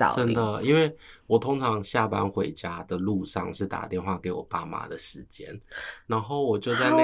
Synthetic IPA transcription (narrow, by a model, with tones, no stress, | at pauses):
ə˦nd̪ə˨i˦nwe˥˩ɪwɔ˨˩t̪ʰo˥ŋʈ͡ʂʰɑ˨˧˦ŋɕja˥˨pa˦nxwe˧˥ɪt͡ɕja˥d̪ə˨lu˥˧ʂɑ̰˥˧ŋʂɻ̩˥˩t̪a̰˨˩t̪jɛ˥˧nxwa˥˩ke˧˥ɪwɔ̰˨˩pa˥ma̰˨˩d̪ə˨ʂɻ̩˧˦t͡ɕjɛ̰˦nna˧˦nxo˥˩ʊwɔ˨˩t͡ɕjo˥˧ʊt͡sa˥˧ɪ